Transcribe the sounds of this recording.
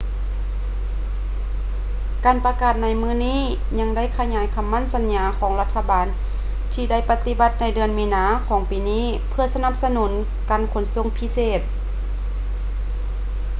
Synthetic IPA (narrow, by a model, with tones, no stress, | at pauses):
kaː˨npa˧kaː˨˩t̪̚na˧jmɯː˧˥˨niː˧˥˩ | ɲa˧˥ŋda˥˨jkʰa˧ɲaː˨˦jkʰa˧˨mːa˧˥˨nsa˧˦nɲaː˨˧˦kʰɔː˨˦ŋla˧t̪ʰːa˧baː˨n | t̪ʰiː˧da˥˩˨jpa˧t̪i˧˦ba˧˦t̪̚na˧˩jdɯ˨˩ənmiː˧˥naː˨˧˦kʰɔː˨˦ŋpiː˨˦niː˧˥˨ | pʰɯ˧ɐsa˧na˧˥˩p̚sa˧nuː˩˦n | kaː˨nkʰo˨˧˦nso˧˥˨ŋpʰi˧˥seː˧˩t̪̚